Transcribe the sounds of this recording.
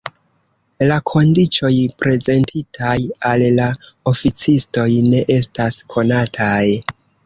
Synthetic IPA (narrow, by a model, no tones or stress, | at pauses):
lakʰo̞ndit͡ʃo̞jpɾe̞ze̞ntʰitʰajalla | o̞fit͡sisto̞jne̞ʔe̞staskʰo̞natʰaj